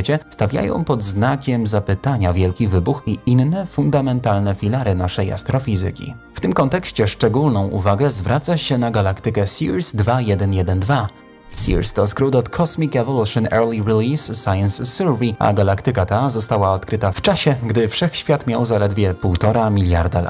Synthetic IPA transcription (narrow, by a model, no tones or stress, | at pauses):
ɛt͡ɕɛst̪avʲja̰jɔ̰̃w̃pɔd̪znakʲɛmzapɘt̪aɲavʲjɛlkʲivɘbuxiʔinːɛfund̪amɛnt̪alnɛfʲilaɾɘnaʂɛja̰st̪ɾɔfʲizɘ̰kʲḭ | ft̪ɘmkɔnt̪ɛkɕt͡ɕɛʂt͡ʂɛɡulnɔ̃w̃ʔṵvaɡɛzvɾʔat̪saɕɛnaɡalakt̪ɘkɛsʲiɾsd̪vajɛd̪ɛnjɛd̪ɛnd̪va | sʲḭɾst̪ɔskɾud̪ɔt̪kʰɔsmʲikɛvɔluʂɨnɛɾlʲiɾilʲisːajɛnsːuɾvia̰ɡalakt̪ɘkat̪azɔst̪awaɔt̪kɾɘt̪aft͡ʂaɕɛɡd̪ɘfʂɛxɕfʲjat̪mʲjawzalɛd̪vʲjɛpuwt̪ɔɾamʲilʲja̰ɾd̪ala̰